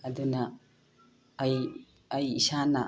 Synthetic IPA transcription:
ɐd̪una | j | ɐjisana

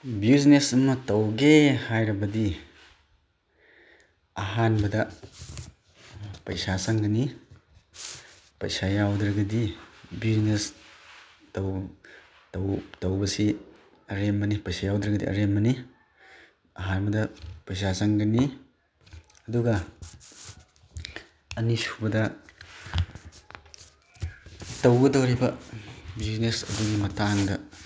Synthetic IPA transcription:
biuznesɐmɐtɐwɡehajɾɐbɐdi | ɐɦanbɐdɐ | pɐjsasaŋɡɐni | pɐ̰jsajawdɾɐɡɐdibiznes | tɐw | tɐwtɐwbɐsi | ɐɾemːɐnipɐjsajawdɾɐɡɐdḭʔɐ̰ɾemːɐni | ɐɦaɾbɐdɐpɐjsazaŋɡɐni | ɐduɡɐ | nisubɐdɐ | tɐwɡɐdɐwɾibɐbiznesɐ̰duɡimɐtaŋdɐ

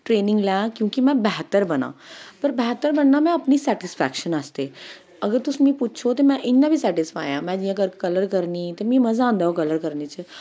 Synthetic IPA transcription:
ʈɾeːnĩŋɡlãkjũːkimɛ̃bɛɦt̪əɾbɐnã̰pəɾbɛɦt̪ːəɾbəɳːamɛ̃ɐpnisɛʈɪsfʰɛ̰kʃənast̪e | əɡəɾt̪usmĩput̪ːt͡ʃʰot̪emɛ̃ʔɪnːabʱisɛʈɪsfa̰ːjãmɛ̃d͡ʒiːãkəɾkɐləɾkəɾnit̪emĩːmɐzaãnd̪aokɐləɾkəɾnit͡ʃə

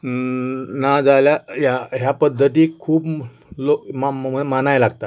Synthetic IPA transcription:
nad͡zaljajaɦjapəd̪ʱːət̪iːkʰuːp | lomaməmanajlaɡt̪a

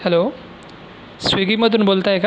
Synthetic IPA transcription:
hɛlo | sʋiɡiməd̪ʱuːnbolt̪aek

